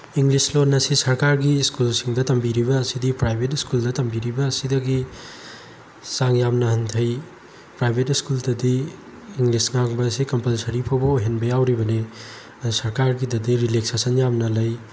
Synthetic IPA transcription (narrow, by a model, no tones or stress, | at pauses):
iŋlislonːɐsisɐɾkaɾɡiskulsiŋdɐtɐmbiɾibɐːsidipɾajbʱetiskuldɐtɐmbiɾibɐːsidɐɡi | saŋjamnɐhɐntʰɐj | pɾajbʱetiskuldɐdiː | ŋlisŋaŋbɐsikɐmpɐlsɐɾipʰɐwbɐojɦenbɐjawɾibɐne | sɐɾkaɾɡidɐdiɾileksesɐnjamnɐlɐj